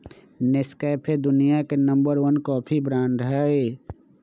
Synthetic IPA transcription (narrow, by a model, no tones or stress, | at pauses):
nɪskəpʰed̪ʊnijakenə̃mbəɾʋənkɔːpʰibɾaːnɾəɦəe